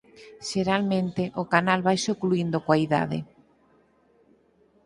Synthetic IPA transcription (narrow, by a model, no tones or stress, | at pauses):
ʃeɾalmẽnt̪eʔʊkanalβajsokluind̪okwaiða̰ðḛ